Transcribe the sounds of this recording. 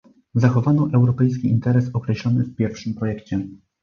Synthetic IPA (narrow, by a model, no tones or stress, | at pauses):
zaxɔvanɔʔɛwɾɔpɛjskʲiʔint̪ɛɾɛsɔkɾɛɕlɔnɘfpʲjɛɾfʂɘmpɾɔjɛkt͡ɕɛ